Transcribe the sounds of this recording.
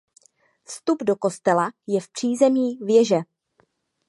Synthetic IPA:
fst̪ubdo̞ko̞st̪ɛlajɛfpr̝̥iːzɛmiːvjɛʒɛ

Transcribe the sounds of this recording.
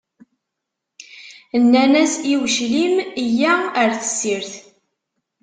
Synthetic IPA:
ənːænæsiwʃlimijæəɾθə̥sːiɾθ

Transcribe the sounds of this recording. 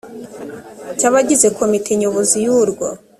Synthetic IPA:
caβaɟize̞kʰo̞mitʰeɲoβozijuɾɡwa̰

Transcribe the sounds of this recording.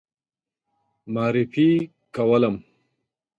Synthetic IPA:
maːɾifi | kɐwɐlɐm

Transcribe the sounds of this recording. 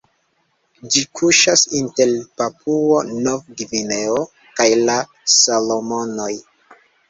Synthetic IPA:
d͡ʒikʰuʃasinte̞lpapʰuonovɡivine̞o | kajla | salomo̞no̞j

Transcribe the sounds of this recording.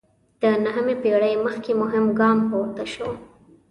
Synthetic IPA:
d̪̥ənaɦamepeɽəjməxkemʊɦɪmɡɑmpowɾt̪əʃo

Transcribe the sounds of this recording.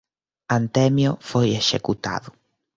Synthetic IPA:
ant̪ɛmjofojeʃekut̪a̰ðʊ

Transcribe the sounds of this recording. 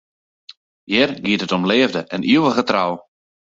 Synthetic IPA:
jɪrɡiətɦətɔmleːvdəʔɛniəwəɣətraw

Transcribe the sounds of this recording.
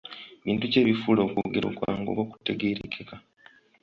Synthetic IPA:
βiːntuce̞ːβifulo̞ːkuɡeɾo̰kwa̰ːŋɡo̞̰βoku̥te̞ɡeːɾekʰeka

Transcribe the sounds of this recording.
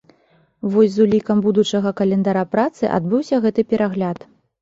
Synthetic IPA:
vɔsʲzulʲikɐmbud̪ut͡ʂɐɣɐkɐlʲɛnd̪aɾapɾat̪sɨʔa̰d̪̚bɨwsʲɐɣɛt̪ɨpʲɛɾʔaɣlʲat̪

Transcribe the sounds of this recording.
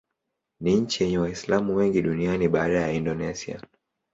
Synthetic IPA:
niɲ̩t͡ʃijɛɲɛwaislamuwɛŋɡiɗunianiɓaːɗajaindɔnɛsia̰

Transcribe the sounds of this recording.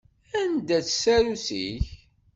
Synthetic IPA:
ænd̪æt͡ssæɾusḭç

